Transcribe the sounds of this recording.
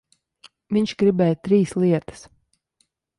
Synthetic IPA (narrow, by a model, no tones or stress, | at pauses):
viɲʲʃɡɾibɛːjt̪ɾiːslˠiɛt̪ə̥s